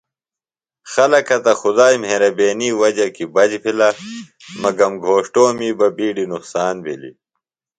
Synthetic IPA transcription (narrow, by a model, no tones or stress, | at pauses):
xɐlɐkɐt̪ɐxud̪aːjmeːɾɐbeːniːwɐd͡ʑɐkibɐd͡ʑpʰila | mɐɡɐmɡʱoːʂʈoːmiːbɐbiːɖinuqsaːnbʱilḭ